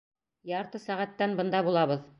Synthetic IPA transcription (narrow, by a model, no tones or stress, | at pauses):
jɑɾt̪ɤsæʁæt̪ːænbɤ̆nd̪ɑbulˠɑβɤð